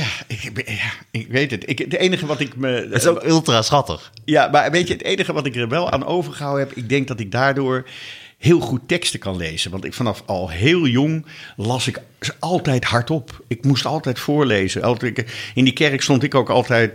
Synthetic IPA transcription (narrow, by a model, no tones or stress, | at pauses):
jaɪkjaɪkʋejtətɪkətejnəχəʋɑtɪkməɪsokɵlˠtrasχɑtə̰χjamaːɹʋejtəətejnəχəʋɑtɪkəɹʋɛlˠa̰ːnʔo̰wvəɹχəɦawəɦɛpɪɡ̚dɛŋk̚dɑtɪɡ̚daːɹdʊːɹhɪːlˠχutːɛkstəkɑnlejz̥ənʋɑntɪkfɑnɑfɑlˠɦeːlˠjɔŋlɑsɪk | ɑlˠtɛjthɑɹtɔpɪkmustɑ̰lˠtɛjtfʊːɹlejzənʔɑlˠkɪndikɛrəkstɔntɪkowkɑ̰lˠtɛjt